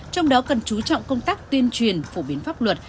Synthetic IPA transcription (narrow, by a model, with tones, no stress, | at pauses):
t͡ɕɔ˧wŋ͡mɗɔ˨˦kə˨˩nt͡ɕu˨˦t͡ɕɔ̰˧˨wŋ͡mkə˧wŋ͡mt̪aː˦˥k̚t̪wi˧ənt͡ɕwi˨˩ənfo̰˧˩ɓi˨˦ənfaː˦˥p̚lwə˨˩t̚